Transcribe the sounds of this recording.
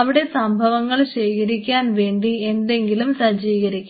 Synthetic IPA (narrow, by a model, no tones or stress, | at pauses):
ɐʋiɽe̞sɐmbʱɐʋɐŋːɐɭɕejkʰɐɾikʲːaːnʋe̞ːɳɖie̞nd̪e̞ŋɡilumsɐd͡ʑiːɣɐɾikʲː